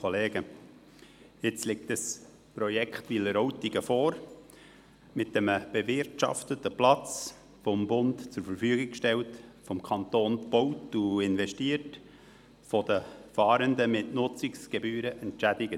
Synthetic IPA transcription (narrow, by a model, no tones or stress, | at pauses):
oleːɡə | ɪt͡slɪk̚təs | pɾɔjɛkχtʋiləɾɔwtiɡ̥əfoːɾ | mɪt̚ɛməb̥evɪrtʃɑ̰ftətəplɑt͡s | fɔmbʊntt͡sʊɾfəɾfyəɡɪkkʃtɛltfɔmkʰɑnt̪oːnb̥owtuɪnvɛʃtiəɾt | fɔd̥əfɑːɾəndəmɪtnʊt͡sɪksɡ̥ebyːɾəʔɛntt͡ʃædɪɡə